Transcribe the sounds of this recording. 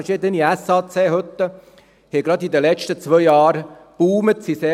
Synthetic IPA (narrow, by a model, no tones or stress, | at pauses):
ʃiːd̪əniæsɑːt͡seːɦɵt̪ːə | hɛɡɾɑd̪id̪əlɛt͡ʃtət͡sʋœjjɑːɾ | b̥uːmət̪siseː